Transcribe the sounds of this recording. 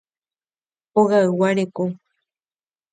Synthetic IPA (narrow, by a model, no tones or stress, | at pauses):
oɣaɨwaɾeko